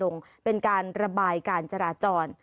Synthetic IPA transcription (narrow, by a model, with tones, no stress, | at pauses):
lo˧ŋpe˧nkaː˧nɾa˧baː˧jkaː˧nt͡ɕa˧ɾaː˧˩t͡ɕɔː˧n